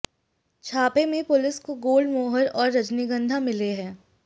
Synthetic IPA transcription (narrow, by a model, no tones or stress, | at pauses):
t͡ʃʰaːpemẽpʊlɪskoɡoːlɖmoːɦəɾɔːɾːɐd͡ʒniɡə̃nd̪ʱãmɪleɦɛ̃ː